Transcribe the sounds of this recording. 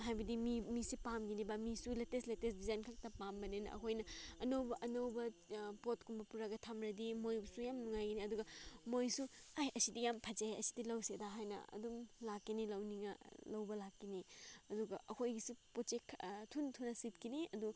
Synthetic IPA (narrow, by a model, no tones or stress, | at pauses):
ɦajbɐdimimisipamɡinibamisuletesletesdizajnkʰak̚tɐpambɐnenɐ̰ɐ̰kʰojnɐɐnɐwbɐʔɐnɐwbɐpot̚kumbɐpuɾaɡɐtʰamɾɐdimojbɐsujamnuŋajɡiniɐduɡɐmojsuajɐsidijampʰɐd͡ʒaeɐsi̥dilɐwsedaɦajnɐ̰ɐ̰dumlakːinilɐwniŋɐlɐwbɐlakːiniɐduɡɐʔɐkʰojɡisupot͡ʃekʰtʰuntʰunɐsit̚kiniɐdu